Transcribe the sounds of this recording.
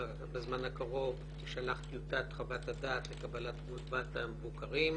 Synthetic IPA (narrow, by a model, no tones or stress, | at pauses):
bezmanakaʁo̞v | eʃalaχt̪jut̪at̪χabat̪ad̪aːt̪lekabalat̪ɡutvat̪amevukaʁim